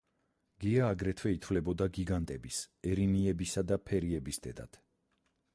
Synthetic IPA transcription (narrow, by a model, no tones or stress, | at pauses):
ɡ̥iaːɡɾɛt̪ʰwɛit̪ʰvlɛbɔd̪aɡiɡant̪ʼɛbisɛɾiniɛbisad̪apʰɛɾiɛbisd̪ɛd̪a̰t̪ʰ